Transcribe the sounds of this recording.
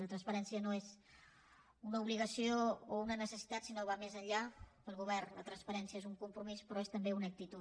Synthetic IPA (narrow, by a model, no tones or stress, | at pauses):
lət̪ɾənspəɾɛnsiənoez | unəuβliɣəsioːunənəsəsi̥t̪at̪sinoβamezəʎapəlˠɣuβ̞ɛrnlət̪ɾənspəɾɛnsiəezuŋkumpɾumispɾɔest̪əmbeunək̚t̪it̪u